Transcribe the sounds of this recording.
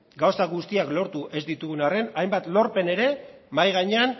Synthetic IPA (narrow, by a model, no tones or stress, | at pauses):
ɡawsaɣust̪iaklo̞ɾt̪uʔe̞zd̪it̪uɣ̞unare̞najmbat̪lo̞ɾpe̞ne̞ɾe̞majɣ̞aɲe̞an